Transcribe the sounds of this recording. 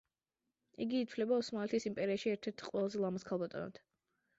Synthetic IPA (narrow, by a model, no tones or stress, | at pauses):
iɡiːt̪sʰvlɛbaɔsmalɛt̪ʰisimpʼɛɾiaʃiɛɾt̪ʰɛɾt̪ʰqʼwɛlˠazɛlˠamaskʰalˠbat̪ʼɔ̰na̰d̪̥